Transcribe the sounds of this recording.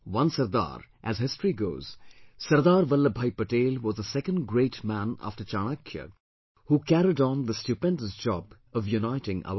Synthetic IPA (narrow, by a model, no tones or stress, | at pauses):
wʌ̃nsɐɾd̪a̰ːɾʔæzɦɪstɹiɡoːz̥sɐɾd̪aːɾʋɐlːəbʱajpəʈeːlʋɔːzəsɛkə̃ndɡɾeɪʈmæ̃na̰fʈət͡ʃaːɽ̃əkʰjə̰ | huːkæɾidn̩d̪əstjupɛ̃ndəsd͡ʒɔ̰b | ʌvjunaɪʈɪ̃ŋʔa̰ʊə